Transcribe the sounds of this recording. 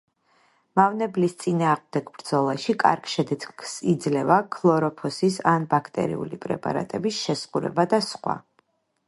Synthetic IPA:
mavnɛblist̪sʼinaːʁmd̪ɛɡbɾd̪z̥ɔlˠaʃikʼa̰ɾkʃɛd̪ɛsid̪zlɛvakʰlˠɔɾɔpʰɔsisanbakʰt̪ʼɛ̰ɾḭṵlipʼɾɛ̰pʼa̰ɾa̰t̪ʼɛbisʃɛsquɾɛ̰bad̪asχwa̰

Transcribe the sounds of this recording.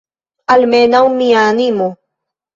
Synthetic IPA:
almenaunmianimo

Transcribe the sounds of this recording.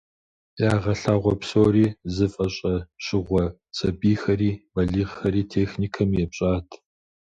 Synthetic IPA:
jaːʁɐɬaːʁʷɔpsoːriːzɨfʼɐɕʼɐɕɪʁʷɔ | t͡sʼɐbiːxɐɾiːbɐɮiːʁxɐɾiːtʰeːxniːkʰɐmjɛpɕʼaːtʰ

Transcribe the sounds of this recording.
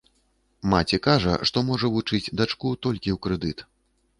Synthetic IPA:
mat͡sʲɛkaʐɐ̰ʂt̪ɔmɔʐɐvut͡ʂɨd͡zʲd̪at͡ʂkut̪ɔlʲkʲiwkɾɛd̪ɨt̪

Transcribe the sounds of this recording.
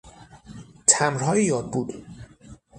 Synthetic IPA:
t̪ʰæmɾɦɒːjiːjɒːd̪̚buːd̪̥

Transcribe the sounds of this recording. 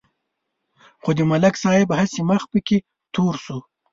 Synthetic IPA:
xod̪imalaksɑjɪbhasiməxpəke | t̪oɾsu

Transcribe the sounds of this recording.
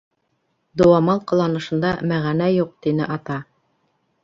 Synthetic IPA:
d̪ŏwɑmɑlˠqɤ̆lˠɑnɤ̆ʃɤ̆nd̪ɑmæʁænæjuq̚t̪inɘʔɑt̪ɑ

